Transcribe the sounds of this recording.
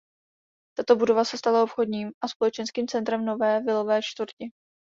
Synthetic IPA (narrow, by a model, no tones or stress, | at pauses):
t̪at̪o̞budo̞vasɛst̪alaopxo̞dɲiːmʔaspo̞lɛt͡ʃɛnskiːmt͡sɛnt̪ɾɛmno̞vɛːvɪlovɛːt͡ʃt̪vuɾcɪ